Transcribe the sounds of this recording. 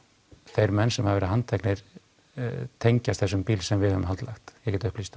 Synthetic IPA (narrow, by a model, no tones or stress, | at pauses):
θejɾmɛnːsɛmhavɛɾɪhant̪ʰɛknɪɾ̥ | t̪ʰejɲcast̪θɛsːʏmpiːlsɛmvɪðhœːvʏmhalt̪la̰xt̪jɛɣcɛːt̪ʏhplist̪a